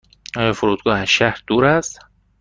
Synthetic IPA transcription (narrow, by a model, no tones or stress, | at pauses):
ɒːjɒːfoɾuːd̪̚ɡɒːhæzʃæhɾd̪̥uːɾæst̪